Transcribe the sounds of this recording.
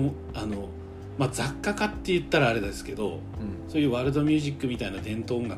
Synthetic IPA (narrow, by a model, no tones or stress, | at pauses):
o | ano̞ | mad͡zakːakat̪ːe̞jɯ̟t̪ːaɾaːɾe̞d̪ad̪esɨ̥ke̞d̪o̞̰ | so̞ːjɯ̟ːβaɾɯ̟d̪o̞mʲjɨ̟ːʑikːɯ̟mʲit̪ainad̪ẽ̞nt̪õ̞ːŋɡa